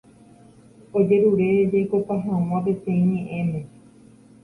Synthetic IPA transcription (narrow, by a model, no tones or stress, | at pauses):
od͡ʒe̞ɾuɾe̞d͡ʒajkopaɦãw̃ãpe̞t̪ẽĩɲẽʔẽnẽ